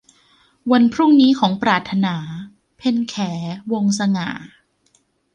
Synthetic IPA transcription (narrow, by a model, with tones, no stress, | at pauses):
wa˧npʰɾu˥˩ŋniː˦˥kʰɔː˩˦ŋpɾaː˨˩t̪ʰːa˧naː˩˦ | pʰe˧nkʰɛː˩˦wo˧ŋsa˧ŋa̰ː˨˩˦